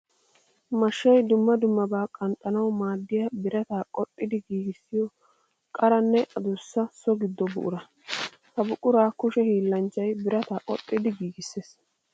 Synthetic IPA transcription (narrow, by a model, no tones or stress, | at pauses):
mɐʃːɐjd̪ʊmːɐd̪ʊmːɐbaːkʼɐnt̪ʼːɐnɐwmaːd̪ːɪjɐbɪɾɐt̪aːkʼɔtʼːɪd̪ɪɡiːɡɪsːɪjɔ | kʼɐɾɐnːɛʔɐd̪ʊsːɐsɔɡɪd̪ːɔbʊ̰ʔʊ̰ɾɐ | hɐbʊkʼːʊɾaːkʊʃɛhiːlːɐnt͡ʃːɐjbɪɾɐt̪aːʔʼɔ̰tʼːɪd̪ɪɡiːɡɪsːeːs